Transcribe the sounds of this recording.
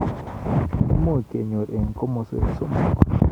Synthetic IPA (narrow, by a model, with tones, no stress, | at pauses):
mo˦˨ke˨ɲo˨ɾe˨ŋko˦mo˨sḛ˨so˦ma̰˨k